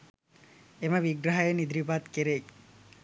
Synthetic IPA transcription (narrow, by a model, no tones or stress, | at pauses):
emɐʋiɡɾɐɦajenid̪ɾipat̪keɾek